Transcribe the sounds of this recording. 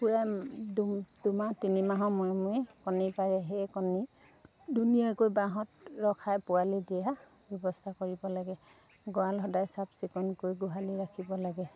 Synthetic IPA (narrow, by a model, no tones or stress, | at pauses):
puɹaddumatinimaɦɔ̃mɔjmuɛkɔnipaɹɛɦejkɔni | dunijɔkojbaɦɔtɹɔkʰajpʊalidɛja | bɔbɔstʰakoɹibɔlaɡɛ | ɡɔalɦɔdajsapsikɔnkojɡʊɦaliɹakʰibɔlaɡɛ